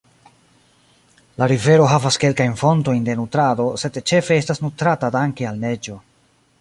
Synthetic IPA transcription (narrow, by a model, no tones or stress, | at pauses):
laɾive̞ɾo̞ɦavaske̞lkajnfo̞nto̞jnde̞nutɾado̞se̞dt͡ʃe̞fe̞estasnutɾatadaŋkealne̞d͡ʒo̞